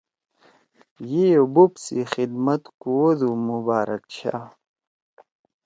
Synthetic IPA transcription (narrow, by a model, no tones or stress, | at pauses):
jijobupsixid̪mɐt̪kuwod̪umubaːɾɐk̚t͡ɕʰa̰